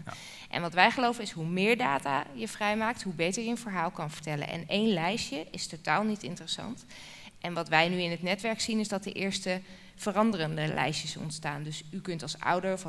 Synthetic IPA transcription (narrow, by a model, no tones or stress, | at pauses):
ʔɛ̰nʋɑtʋɛjχəlowvənɪsɦumɪːɹdaːta̰ːjəvrɛjmaːk̚tɦubejtəɹjəənvəɹɦaːlˠkɑnvəɹtɛlə̰nɛ̰nejnlɛjʃjəʔɪstotaːlˠnitɪntərəsɑ̰nt | ʔɛnʋɑtʋɛjnyɪnɦətnɛtʋɛɹksinɪzdɑt̚də̰ʔɪːɹstə | v̥ərɑndərəndəlʔɛ̰jʃəsɔ̰ntstaːndɵsykɵntɑlˠsa̰wdəɹf